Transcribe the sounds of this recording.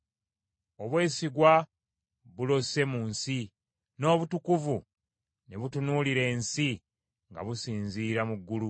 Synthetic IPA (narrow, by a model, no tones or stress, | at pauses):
oβwe̞ːsiɡwa | βulo̞se̞muːnsi | no̞ːβutukuvu | neβutunuliɾe̞ːnsi | ŋɡa̰βusiːnziːɾamuɡːulu